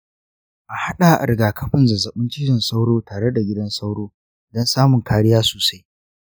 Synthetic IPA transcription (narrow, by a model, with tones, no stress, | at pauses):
ʔa˨ha˦ɗa˨ʔa̰˨ɾɡaː˨kʰɐ˦ɸɪ˦˨nzɐ˨zɐ˨ɓɪ˦nt͡ʃɪ˦jɪ˨nsa˦wɽoː˦taː˨ɽe˦da˨ɡʲɪ˦dɐ˦nsa˦wɽoː˦ | dɐ˦nsaː˦mʊ˨ŋkaː˦ɽɪ˦jaː˦so̥ː˨sa˦j